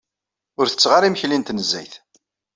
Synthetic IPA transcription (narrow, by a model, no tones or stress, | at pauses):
ʊɾθə̥t͡sːʁaɾiməçlint̪nəzːæ̰jθ